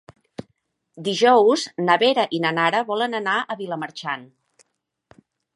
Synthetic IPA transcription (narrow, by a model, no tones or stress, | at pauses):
d̪iʒɔwznəβeɾəʔinənaɾəβɔlənənaʔəβiləməɾt͡ʃan